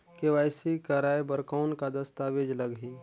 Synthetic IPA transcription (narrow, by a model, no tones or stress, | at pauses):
keʋaːjsikəɾaːjebəɾkaʊnkad̪əst̪aʋed͡ʒləɡɦi